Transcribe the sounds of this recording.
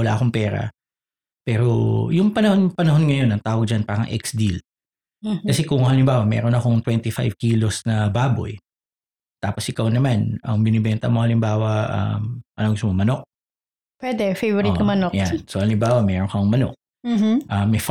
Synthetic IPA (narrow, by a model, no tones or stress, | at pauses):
ɐla̰ʔɐkoŋpɛːɾɐ̰ | pɛːɾojʊŋpɐnɐhonpɐnɐɦo̞nŋɐjo̞nɐŋt̪aːwɐɡ̚d͡ʒɐnpaɾɐ̰ŋʔɛ̰ksd̪il | kɐsɛkʊŋɐlɪmbaːwɐmɛ̰ɾonɐko̞ŋt̪wɛnt̪ɪfajvkiːlosnɐbaːbo̞̰j | t̪aːposʔɪkawnɐmanɐŋbɪnɛbɛnt̪ɐ̰moŋhɐlɪmbaːwɐʔɐ̰mʔɐ̰noŋɡʊst̪omomɐno̞k̚ | pwɛd̪ɛfejvɔɾɪkɐmɐnojansohɐlɪmbaːwɐmɛːɾonkɐŋmɐno̰k̚ | mʔɐmːɛf